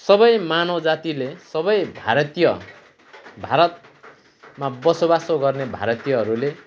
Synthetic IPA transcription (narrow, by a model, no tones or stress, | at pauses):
sʌbʌjmanʌd͡zat̪ilesʌbʌjbʱaɾʌt̪ijʌ | bʱaɾʌt̪̚ | mabʌsobasoɡʌrnebʱa̰ɾʌt̪ijʌɦʌɾule